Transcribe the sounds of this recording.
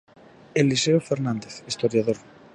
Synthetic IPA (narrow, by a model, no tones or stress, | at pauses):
eliseofeɾnãnd̪eθist̪oɾjaðoɾ